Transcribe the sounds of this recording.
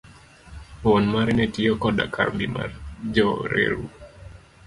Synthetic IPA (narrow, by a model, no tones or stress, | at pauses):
wɔnmaɾɛnɛtiɔkɔda̰kʰa̰mbima̰ɾd͡ʒɔɾɛ̰ɾu